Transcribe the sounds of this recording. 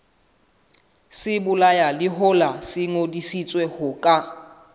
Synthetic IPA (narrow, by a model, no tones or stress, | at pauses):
sɪbʊlajalɪɦʊlasɪŋodisit͡sʼwɛhʊkʼa